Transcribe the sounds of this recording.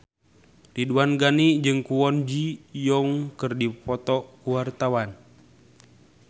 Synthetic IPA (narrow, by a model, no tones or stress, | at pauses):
riduanɡanid͡ʒɨŋkuwɔnd͡ʒijɔŋkɨrdipɔt̪ɔkuwart̪awan